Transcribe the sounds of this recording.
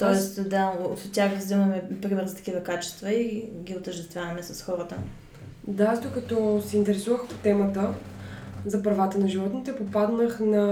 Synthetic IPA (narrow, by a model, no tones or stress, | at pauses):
t̪ɔɛst̪d̪ao̰t̪t̪tʲːaxɾəzd̪imɐmɛpɾimɛɾzɐt̪ɐ̥kivɐkat͡ʃɛ̥st̪vɐiɡʲioʊt̪əɾʒd̪ɛst̪vʲjavɐmɛsɐsxɔɾət̪ə̰ | d̪azd̪okɐt̪ɔsɛint̪ɛɾɛsuvəxpo̥t̪ɛmət̪ə | zɐpɾɐvat̪ənɐʒivɔt̪nit̪ɛpopad̪nəxnɐ